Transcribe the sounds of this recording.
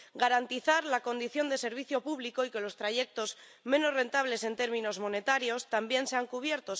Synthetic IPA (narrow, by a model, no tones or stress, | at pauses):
ɡaɾant̪iθaɾlako̞nd̪iθjo̞nd̪e̞se̞ɾβ̞iθjo̞puβliko̞ike̞lo̞st̪ɾaʝe̞k̚t̪o̞z | mẽ̞no̞zre̞nt̪aβ̞le̞se̞nt̪e̞ɾmĩno̞zmo̞ne̞t̪aɾjo̞st̪ambje̞nse̞aŋkuβ̞je̞ɾt̪o̞s